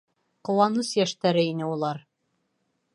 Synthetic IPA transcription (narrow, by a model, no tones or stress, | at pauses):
qŏwɑnɤsjæʃt̪æɾɘinɘulˠɑɾ